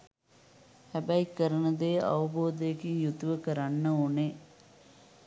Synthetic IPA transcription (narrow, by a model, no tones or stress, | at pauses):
hæbæikəɾənɐd̪eːʔɐ̰ʋɐboːd̪ɐjekiŋjut̪uʋəkəɾanːəone